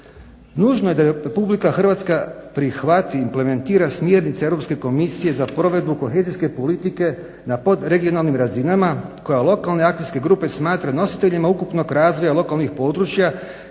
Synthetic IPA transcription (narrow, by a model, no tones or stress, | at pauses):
nuːʒnoje̞d̪aɾepublikaxrʋaːt̪skapɾixʋat̪iːmple̞me̞nt̪iːɾasmje̞ːɾnit̪seevɾo̞pske̞ko̞misije̞zapɾo̞ʋe̞d̪̚buko̞xe̞ːziske̞po̞lit̪ike̞ | napo̞d̪ɾe̞ɡio̞nalˠnimɾazinamako̞jalˠo̞kalˠne̞ak̚t̪ijske̞ɡɾuːpe̞smaːt̪ɾano̞si̥t̪e̞ʎimaukupno̞ɡɾaːzʋo̞jalo̞kalnixpo̞ːd̪ɾut͡ʃja